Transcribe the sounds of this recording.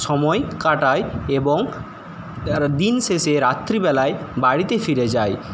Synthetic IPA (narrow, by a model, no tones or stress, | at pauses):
ʃɔmɔekaʈaeeboŋ | d̪inʃeʃeɾat̪ːɾibɛlaebaɽit̪efiɾed͡ʑae